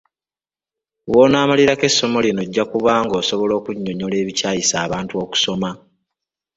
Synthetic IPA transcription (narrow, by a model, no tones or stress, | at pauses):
woːnaːmaliɾake̞sːo̞mo̞lino̞ɟːakuβaŋɡo̞ːso̞βo̞lo̞ːkuɲːoɲole̞ːβicaːjisaːβaːntuo̞ːku̥so̞ma